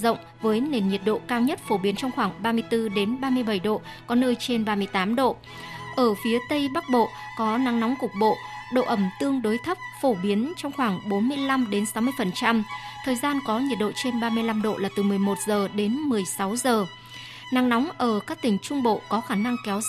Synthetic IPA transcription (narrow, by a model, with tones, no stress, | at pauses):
zə̰˧˨wŋ͡m | vəː˨˦jne˨˩nɲi˨˩ət̚ɗo̰˧˨kaː˧wɲə˦˥t̚fo˧˩ɓi˨˦ənt͡ɕɔ˧wŋ͡mxwaː˧˩ŋɓaː˧mɨ˧əjt̪ɨ˧ɗe˨˦nɓaː˧mɨ˧əjɓə˧˩jɗo̰˧˨ | kɔ˨˦nəː˧jt͡ɕe˧nɓaː˧mɨ˧əjt̪aː˨˦mɗo̰˧˨ | ʔəː˧˩fi˨˦ət̪ə˧jɓa˦˥k̚ɓo̰˧˨kɔ˨˦na˨˦ŋnɔ˨˦wŋ͡mkʊ˨˩k͡p̚ɓo̰˧˨ɗo̰˧˨ʔə˧˩mt̪ɨ˧əŋɗo˨˦jt̪ʰə˦˥p̚fo˧˩ɓi˨˦ənt͡ɕɔ˧wŋ͡mxwaː˧˩ŋɓo˨˦nmɨ˧əjla˧mɗe˨˦nsa˨˦wmɨ˧əjfə˨˩nt͡ɕa˧mt̪ʰəː˨˩jzaː˧nkɔ˨˦ɲi˨˩t̚ɗo̰˧˨t͡ɕe˧nɓaː˧mɨ˧əjla˧mɗo̰˧˨laː˨˩t̪ɨ˨˩mɨ˨˩əjmo˨˩t̚zəː˨˩ɗe˨˦nmɨ˨˩əjsa˨˦wzəː˨˩ | na˨˦ŋnɔ˨˦wŋ͡mʔəː˧˩kaː˦˥k̚t̪ï˧˩ŋ̟t͡ɕʊ˧ŋ͡mɓo̰˧˨kɔ˨˦xaː˧˩na˧ŋkɛ˨˦w